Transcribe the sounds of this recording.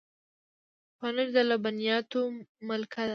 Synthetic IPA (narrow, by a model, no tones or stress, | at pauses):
pɑnəɾd̪alabanijɑt̪omʊlkʰad̪a